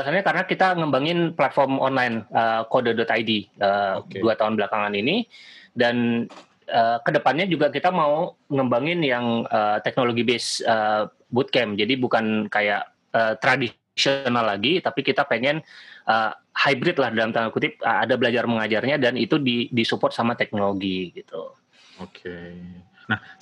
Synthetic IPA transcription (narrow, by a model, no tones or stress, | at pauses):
əasanɲakaɾənakit̪aŋəmbaŋɪnplat̪̚fɔrmɔ̰nlajnəːkodədɔt̪ajdiəːdduat̪aɦʊnbəlakaŋaninidan | əːkədəpanɲad͡ʒuɡakit̪amauŋəmbaŋɪnjaŋəːt̪ɛk̚noloɡibesə | but̪̚kɛmd͡ʒadibukankajaʔ | əːt̪ɾadi | sionalːaɡit̪apikit̪apeŋɛnʔəː | hajbɾɪt̪̚lahdalamt̪aakut̪ɪp̚əadabəlad͡ʒarməŋad͡ʒarɲadanit̪udidisupɔrt̪̚samat̪ɛk̚noloɡiɡit̪ṵ | okʰe | nah